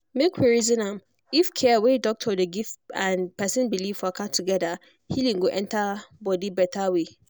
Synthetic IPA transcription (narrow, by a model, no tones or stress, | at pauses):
mekʰweɹizɪ̃nãm | ifkʰɛwedɔk̚tʰɔdeɡivãnpʰɛsɪ̃nbilivfakʰatʰuɡɛda | hilĩŋ̩ɡoʔɛ̃ntʰabɔdibɛtʰawe